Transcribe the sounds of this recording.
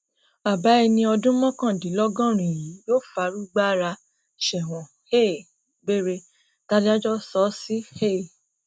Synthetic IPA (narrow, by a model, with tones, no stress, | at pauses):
a˨ba˨˦i˧nĩ˧ɔ˧dũ˦mɔ̃˦kã˦˨di˨˦lɔ˦ɡɔ̃˦˨ɾ̃ĩ˨ji˨˦joː˦fa˧˦ɾu˦ɡ͡ba˦ɾa˧ | ʃɛ˨w̃ɔ̃˨ | he˦˨ | be˦ɾe˧ | ta˦di˦a˦d͡ʒɔ˦sɔ˨˦si˦he˦˨